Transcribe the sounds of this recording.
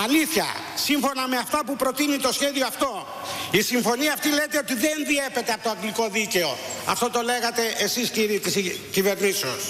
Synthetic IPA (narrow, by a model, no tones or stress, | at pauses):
ɐliθçɐ̰siɱfo̞nɐme̞ɐft̪ɐpupɾo̞t̪init̪o̞sçe̞ðioɐft̪o̞ | isiɱfo̞niɐːft̪ilet̪e̞o̞t̪iðenðie̞pe̞t̪eɐpot̪oɐŋɡliko̞ðice̞o̞ɐ̰ft̪o̞t̪o̞le̞ɣɐt̪e̞ʔesisciɾit̪iscive̞ɾniseos